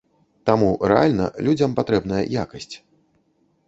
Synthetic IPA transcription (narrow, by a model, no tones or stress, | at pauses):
t̪amurɛa̰lʲnɐ̰lʲud͡zʲɐmpat̪ɾɛbn̪ɐjɐ̰jakɐsʲt͡sʲ